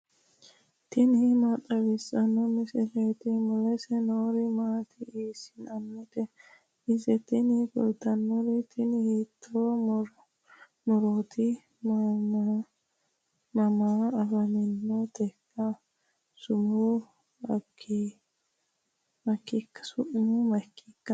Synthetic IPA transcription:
t̪ɪnɪmɐt̪ʼɐwɪsɐnɔmɪsɛleːt̪ɪmɔlɛsɛnoːɾɪmaːt̪ʰɪiːsɪ̥nɐmːɪt̪ɛ | ɪsɛt̪ɪnɪɡɔ̰ld̪ɐnːɔɾɪt̪ʰɪnhiːt̪ʰːo | mɔɾot̪ɪ | mama | mɐmaɐbɐmɪnːɔt̪ɛkːɐ | sʊmu | ɐkʰːi | mɐkːɪkːɐ̥sʊʔmʊmɐkːɪkːɐ

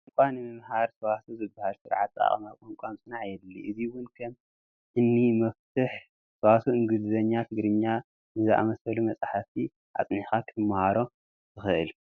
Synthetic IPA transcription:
ɨŋkʷʼanɨmɨmhaɾsɐwasuzɨbːahalsɨɾʕat̪ʼa̰χʼɐ̰makʷʼomkʷʼamsʼɨnaʕjɛd̪lːiʔɨziwʊnkʰɐm | ʔɨnːimɐft̪ʰɨħ | sɐwasuɨŋɡɨd̪ɨzɐɲːat̪ʰɨɡɾɨɲːa | nɨzɨʔa̰mɐsɐlumɐt͡sʼaħafi | ʔa̰t͡sʼnixakʰt̪ʰɨmːahaɾo̞ | t̪ʰɨxɨʔɨ̰l

